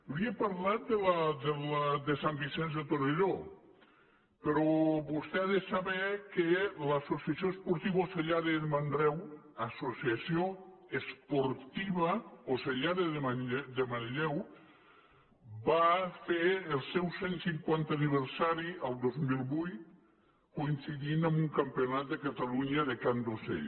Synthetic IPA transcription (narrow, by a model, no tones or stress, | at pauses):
liepaɾlat̪̚d̪elad̪elad̪esambisɛnzðet̪oɾeʎo | peɾɔβust̪ɛaðesaβɛkelasosiasioespoɾt̪iβoseʎaðeðemand̪ɾɛw | asosiasjoespoɾt̪iβaoseʎaðeðmad̪emanʎɛw | bafeelˠsɛwsensiŋkwant̪aniβ̞eɾsaɾialˠd̪ozmilˠbujt | koinsiðinambuŋkampeonat̪̚d̪ekat̪aluɲaðekand̪osḛ